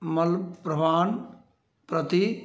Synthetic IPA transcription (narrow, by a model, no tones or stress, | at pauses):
mɐlpɾəbaːn | pɾət̪i